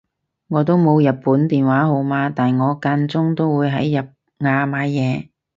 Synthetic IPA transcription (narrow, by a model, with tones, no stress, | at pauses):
ŋɔː˨˧t̪o˥wmo˨˧wjɐ˨t̚pːuː˨˥nt̪iː˨˩nwaː˨˥ɦo˨˧wmaː˨˧t̪aː˨nŋɔː˨˧kaː˧nt͡sʊ˥ŋt̪o˥wwuː˨˧jɦɐ̰˨˥jːɐ˨p̚ | ŋaː˨˧maː˨˧jɛː˨˧